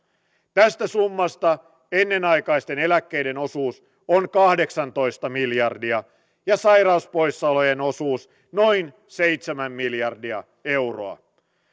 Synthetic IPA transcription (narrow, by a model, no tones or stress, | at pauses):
t̪æst̪æsumːɑst̪ɑ | enːe̞nɑjkɑjst̪e̞ne̞lækːe̞jde̞no̞suːs | onkɑhde̞ksɑnt̪o̞jst̪ɑmiljɑrdiɑ | jɑsɑjɾɑuspo̞jsːɑlo̞je̞no̞suːs | no̞jn | sejt̪semæmːiljɑrdiɑ̰ | e̞wro̞̰ɑ̰